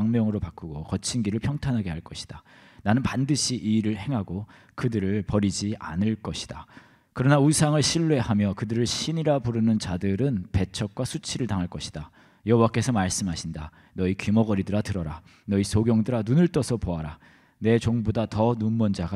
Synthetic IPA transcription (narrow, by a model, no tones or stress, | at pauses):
ŋmjʌŋɯɾopak͈uɡokʌt͡ɕʰinɡiɾɯɭpʰjʌŋtʰanɦaɡe̞ɦaɭk͈ʌɕʰi̥d̥a | nanɯnpandɯɕʰiʔiɾɯɭhe̞ŋɦaɡo | kɯdɯɾɯɭpʌɾid͡ʑiʔa̰nɯɭk͈ʌɕʰi̥d̥a | kɯɾʌnausʰaŋɯɭɕʰiɭːwe̞hamjʌkɯdɯɾɯɭɕʰiniɾapuɾɯnɯnt͡ɕadɯɾɯnpe̞t͡ɕʰʌk̚k͈wasʰut͡ɕʰiɾɯɭtaŋɦaɭk͈ʌɕʰi̥d̥a | jʌɦwak͈e̞sʰʌmaɭs͈ɯmɦaɕʰinda | nʌikimʌɡʌɾidɯɾatɯɾʌɾa | nʌisʰoɡjʌŋdɯɾanunɯɭt͈ʌsʰʌpoaɾa | ne̞t͡ɕoŋbodatʌnunmːʌnd͡ʑaɡa